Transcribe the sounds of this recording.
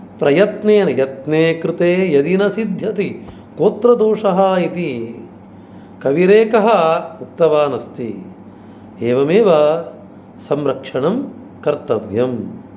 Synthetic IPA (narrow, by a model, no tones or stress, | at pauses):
pɾɐjɐt̪neːnɐjɐt̪neːkɾɪt̪eːjɐd̪inɐsid̪ʱjɐt̪i | koːt̪ɾɐd̪oːʂɐɦɐit̪i | kɐʋiɾeːkɐɦɐuk̚t̪ɐʋaːnɐst̪ḭ | eːʋɐmeːʋɐ | sɐmɾɐkʂɐɳɐm | kɐɾt̪ɐʋjɐm